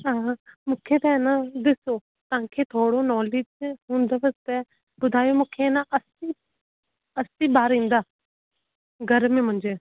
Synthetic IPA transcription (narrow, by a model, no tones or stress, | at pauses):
ãːmʊkʰːet̪aɛnad̪ɪsoː | t̪ãːkʰeːt̪ʰoːɽoːnɔːlɪd͡ʒɦũːnd̪aːʋəst̪ɛ | bʊd̪ʱaːjomʊ̃kʰːenãʔəsi | əsiːbaːɾĩːnd̪aː | ɡʱəɾmẽmʊ̃nd͡ʒeː